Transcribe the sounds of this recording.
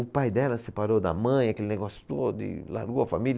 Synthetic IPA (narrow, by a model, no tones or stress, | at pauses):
ʊpajd̪ɛlɐsepaɾod̪ɐ̰mɐ̃j̃akelɪneɡɔsjʊ̥t̪od̪ʊɪ̰la̰ɾɡowɐfamil